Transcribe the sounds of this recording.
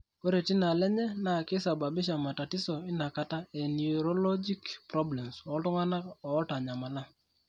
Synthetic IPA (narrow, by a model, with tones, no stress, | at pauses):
ko˦ɾe˨ti˦na˨lɛ˦ɲɛ˦na˨ki˦sa˨ba˨bi˦ʃ̬a˨ma˨ta˨ti˦sɔ˨i˦na˨ka˦ta˦e˨niu˨ɾɔ˦lɔ˦d͡ʒi˦kpɾɔ˦blɛ˨msɔ˨˦tu˦ŋa˦na˦ɔː˨˦ta˨ɲa˨ma˨la˦